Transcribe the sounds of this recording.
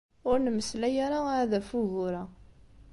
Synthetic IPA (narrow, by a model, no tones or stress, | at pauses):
ʊɾnəmːəslæjaɾaðæfuʝʊɾa